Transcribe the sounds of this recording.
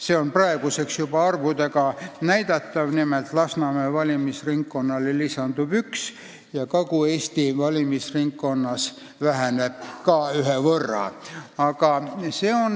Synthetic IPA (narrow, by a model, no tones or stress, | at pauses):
seonprɑeɡuseksjub̥ɑɑrvud̪ekɑnæjd̪ɑt̪ːɑʋnimelt̪lɑsnɑmevɑlʲimisriŋkːonːɑlelisɑnd̪ub̥yks | jɑkɑkueːst̪ivɑlʲimisriŋkːonːɑs | ʋæɦænep̚kɑːyɦeʋɤrːɑ̰ɑkɑseon